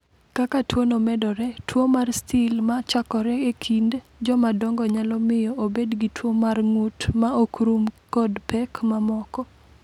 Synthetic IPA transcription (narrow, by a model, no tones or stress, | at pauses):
kakatwonomɛdɔɾɛtwomarstɪlmat͡ʃakɔɾɛekʰind | d͡ʒɔmadɔŋɡɔɲalɔmɪjɔʔobedɡitwomarŋutmaokɾumkɔdpɛkmamɔkɔ